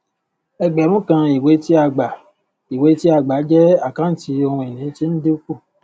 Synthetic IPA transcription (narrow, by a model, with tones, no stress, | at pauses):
ɛ˧ɡ͡bɛ˨ɾ̃ũ˦kã˧i˨we˨˦ti˦a˧ɡ͡ba˨ | i˨we˨˦ti˦a˧ɡ͡ba˨˦d͡ʒɛ˦a˦˨kã˦n̩˦ti˧˦o˧hũ˧e˨nĩ˨˦ti˦n̩˦de˦u˦ku˦˨